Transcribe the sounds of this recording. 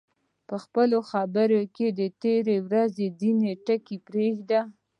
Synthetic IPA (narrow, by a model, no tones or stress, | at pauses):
pəxpəloxabəɾoked̪ət̪eɾewɾazed̪ineʈəkipɾexd̪a